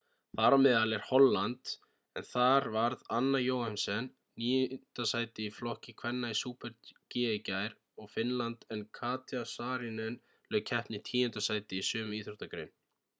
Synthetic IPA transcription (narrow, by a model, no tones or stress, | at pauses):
θaɾamɪðalɛɾ̥hɔlːant̪ | ɛnθaɾvaɾðanːajoːwhansɛnː | iːjʏnt̪asaːjt̪ɪiflɔhcɪkʰvɛnːaisuːpɛɾt̪cɪɛcajɾ | ɔɣfɪnlant̪ɛnkʰaːt̪jasaːɾɪnɛn | lœːɣcʰɛhp̪nɪt̪ʰiːjʏnt̪asaːjt̪ɪisʏːmʏiːθɾuht̪akɾɪ̰n